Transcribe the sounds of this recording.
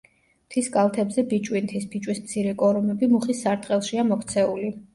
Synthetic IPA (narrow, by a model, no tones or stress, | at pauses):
t̪ʰiskʼalˠt̪ʰɛbzɛbit͡ʃʼwint̪ʰisbit͡ʃʼwismt̪sʰiɾɛkʼɔɾumɛbimuχisːaɾt̪ʼqʼɛlˠʃiamɔkʰt̪sʰɛuli